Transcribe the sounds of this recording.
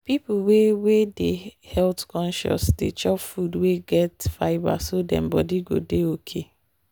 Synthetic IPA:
pipuwewedehɛltkɔ̃nʃɔ̰sdḛt͡ʃɔpfudweɡɛtfaɪba̰sodɛ̰̃mbɔdiɡo̰deokʰe

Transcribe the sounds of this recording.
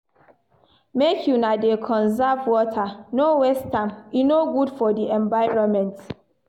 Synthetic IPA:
mekʰjunadekʰɔ̃nzavwɔtʰanowɛstʰãmjunoɡudfɔdiɛ̃ɱvaɪɹɔ̃nmɛ̃nt

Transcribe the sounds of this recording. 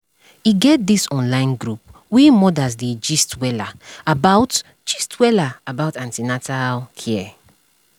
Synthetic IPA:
iɡɛt̚disɔ̃nlãɪ̃nɡɾup̚ | wimɔdazded͡ʒistwɛlaabaʊt | d͡ʒistwɛlaabaʊtãntinatalkʰɛɛ

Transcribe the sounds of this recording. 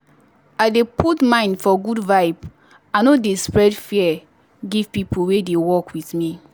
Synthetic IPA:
aɪdepʰutmãɪ̃ndfɔɡudvaɪb | ãnodespɹɛdfiɛ | ɡiv̥pipʰuwedewɔkwiθmi

